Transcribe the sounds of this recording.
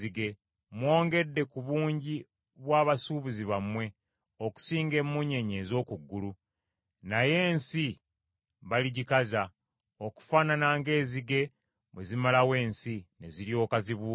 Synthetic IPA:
iɡe̞ | mwo̞ːŋɡe̞dːe̞kuβuːɲɟi | βwaːβasuβuziβamwe̞ | o̞ku̥siːŋɡe̞mːuɲe̞ɲe̞ːzo̞ːkuɡːulu | naje̞ːnsi | βaliɟikaza | o̞ku̥faːnanaːŋɡe̞ːziɡe̞ | βwezimalawe̞ːnsine̞ziɾjo̞ːkaziβuː

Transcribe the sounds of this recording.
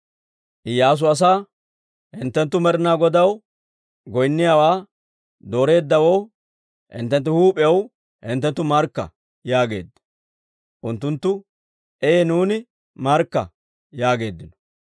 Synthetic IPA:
ʔɪjːaːs̬ʊɐs̬aː | hɪnt̪ːɛnt̪ːʊmɛɾɪnaːɡɔd̪ɐw | ɡɔjnːɪjaːwaː | d̪o̞ːɾe̞ːd̪ːɐwow | hɪ̰nt̪ːɛnt̪̬ːɛhuːpʼɛɐw | hɪnt̪ːɛnt̪ːʊmɐɾkːɐ̰ | jaːɡe̞̰ːd̪ːɐ̥ | ʔʊnt̪ːʊnt̪ːʊ | ʔɛjenuːnɪ | mɐɾkːɐ̰ | jaːɡe̞ːd̪ːɪnɔ̥

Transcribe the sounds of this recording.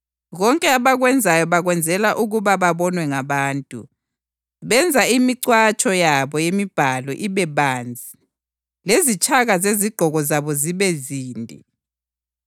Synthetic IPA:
ɣɔŋkʼɛaβaɣwɛnd͡zʱajɔβaɣwɛnd͡zʱɛlaʔuɣuβaβaβɔnwɛŋaβaːntʼṵ | βɛnd͡zʱaimiǀwat͡ʃʼɔjaβɔjemib̥ʱalɔʔiβɛβaːnd͡zʱi | lezit͡ʃʼaɣazeziɡ̥ʱɔɣɔzaβɔziβɛziːndʱḭ

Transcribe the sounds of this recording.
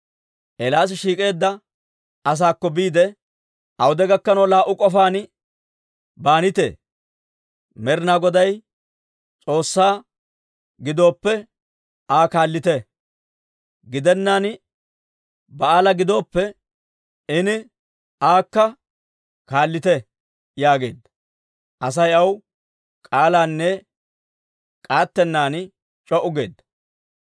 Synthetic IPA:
ʔɛlaːs̬ɪʃiːkʼe̞ːd̪ːɐ | ɐs̬aːkːɔbiːd̪ɛ | ʔɐwʊd̪ɛɡɐkːɐnɐwlaːʔːʊkʼɔfaːn | baːnɪt̪ḛː | mɛɾɪnaːɡɔd̪ɐj | t͡sʼo̞ːsːaː | ɡɪd̪o̞ːpːɛ | aːkaːlːɪt̪ɛ | ɡɪd̪ɛnːaːn | bɐaːlɐɡɪd̪o̞ːpːɛ | ɪnɪ | aːkːɐ | kaːlːɪt̪ɛ | jaːɡe̞̰ːd̪ːɐ̥ | ʔɐs̬ɐjɐw | kʼaːlaːnːɛ | kʼaːt̪ːɛnːaːn | t͡ʃʼɔʔʊɡe̞ːd̪ːɐ

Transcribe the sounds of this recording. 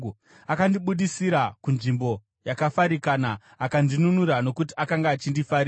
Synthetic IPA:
akandiɓuɗisiɾakunʐimbo̞ | jakafaɾikaːnaː | kandinunuɾano̞kut̬iʔakaŋɡaːt͡ʃindifaɾi

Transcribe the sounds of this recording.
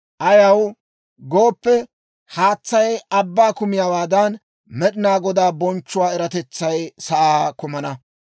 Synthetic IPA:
ʔɐjɐw | ɡo̞ːpːɛ | haːt͡sːɐjɐbːaːkʊmɪjaːwaːd̪ɐn | mɛɗɪnaːɡɔd̪aːbɔnt͡ʃːʊwaːɛɾɐt̪ɛt͡sːɐjsɐʔaːkʊmɐnɐ

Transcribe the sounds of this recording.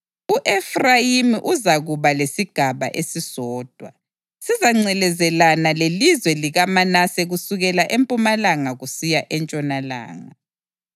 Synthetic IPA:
uʔɛfrajimiʔuzaɣuβalesiɡ̥ʱaβa̰ʔesizɔːd̥ʱwa̰ | sizaŋ͡ǀɛlɛzɛlanalelizwɛliɣamanasɛɣusuɣɛlaʔempʼumalaŋaɣusijaʔɛnt͡ʃʼɔnala̰ːŋa

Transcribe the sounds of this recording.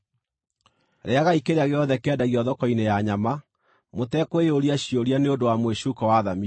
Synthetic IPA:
ɾeaɣaikeɾeaɣeɔðɛkɛdaɣiɔðɔkɔinejaɲama | motɛkweoɾiaɕioɾianeondowamweʃukɔwaːðami

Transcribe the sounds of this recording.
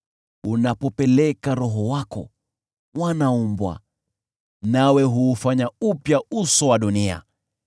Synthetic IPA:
unapɔpɛlɛkaɾɔɦɔwakɔ̰ | wanaumbwa̰ | nawɛɦuːfaɲaupjausɔwaɗunia̰

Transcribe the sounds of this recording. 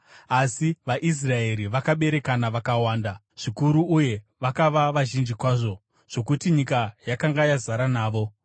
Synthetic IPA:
asiʋaʔis̬rae̞ɾiʋakaɓe̞ɾe̞kanaʋakawaːnda | ʐ̥ikuɾuuje̞ | ʋakaʋaʋaʒind͡ʒikwaːʐo̞ | ʐ̥o̞kutiɲikajakaŋɡajazaɾanaːʋo̞

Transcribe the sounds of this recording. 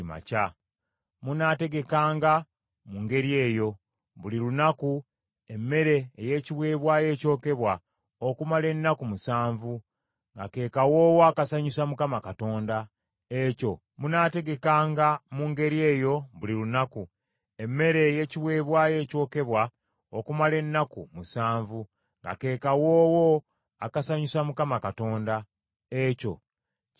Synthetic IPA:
ma̰ca | munate̞ɡe̞kaːŋɡa | muŋɡe̞ɾije̞ːjo̞ | βulilunaku | e̞mːe̞ɾe̞ːje̞ciβwe̞ːβwaːje̞ːco̞ːke̞βwa | okumale̞nːakumusaːɱvu | ŋɡa̰ke̞ːkawo̞ːwaːkasaɲusamukamakato̞ːnda | eco̞ | munate̞ɡe̞kaːŋɡamuːŋɡe̞ɾie̞ːjo̞βulilunaku | e̞mːe̞ɾe̞je̞ciβwe̞ːβwaːje̞ːco̞ːke̞βwa | okumale̞nːakumusaːɱvu | ŋɡa̰ke̞ːkawo̞ːwo̞ | akasaɲusamukamakato̞ːnda | eco̞̰

